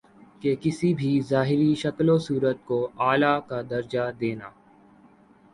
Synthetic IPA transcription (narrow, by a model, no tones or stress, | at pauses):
kekɪsibʱizaːɦɪɾiʃɐklosuːɾət̪̚koaːlakad̪ɐɾd͡ʒad̪eːnaː